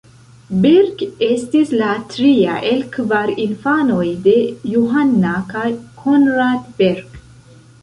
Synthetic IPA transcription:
beɾɡe̞stislatɾia̰ʔe̞lkvaɾinfano̞jde̞juɦanːakajkʰonɾadbeɾɡ

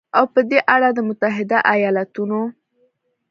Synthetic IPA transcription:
awpəd̪eʔaɽad̪əmʊt̪aɦɪd̪aʔajɑlat̪uno

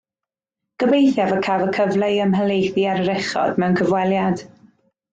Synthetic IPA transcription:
ɡ̥əbejθjavəkʰavəkʰəvlejəmɦəlˠejθiaɾəɾɛχɔ̰d̥mɛwnkʰəvwɛlˠjad̥

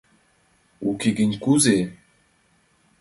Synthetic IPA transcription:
ukeɡiɲkuze

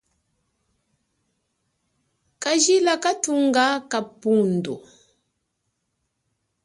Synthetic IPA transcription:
kaʒilakatuŋɡakapundu

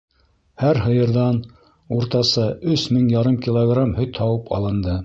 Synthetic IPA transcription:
hæɾɦɤ̆jɤ̆ɾðɑn | uɾt̪ɑsɤɵsmɘŋjɑɾɤmkʲilˠoɡramhɵ̆jt̪ʰɑwɤpɑ̰lˠɤ̆nd̪ɤ

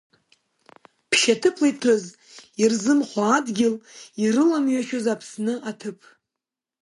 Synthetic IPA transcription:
pʰʃatʰɨpʰlajtʰoz | irzɨmχʷaːdɡʲɪliɾɨlamɥaʃozapʰsnɨʔatʰɨpʰ

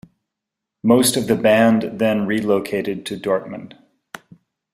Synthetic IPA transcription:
moʊstʌvðɨbæ̃nðɨ̃nɹiloʊkʰeɪɾɨd̚tʰɨdɔɹt̚mɨ̃nd̥

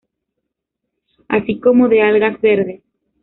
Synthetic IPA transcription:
a̰siko̞mo̞ðealɣazbe̞ɾðe

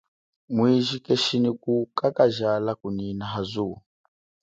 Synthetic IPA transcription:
mwiʒikɛʃinikukakaʒalakuninaɦazuː

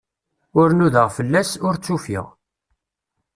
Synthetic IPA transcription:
ʊɾnuðəʁfəlːæsʊɾt͡sːufḭʁ

